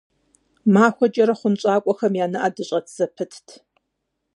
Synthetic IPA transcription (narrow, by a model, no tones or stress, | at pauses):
maːxʷɔt͡ʃʼɐɾɐχʷʊnɕʼaːkʷʼɔxɐmjaːnɨʔaːdɨɕʼɐtʰz̥ɐpʰɨtʰtʰ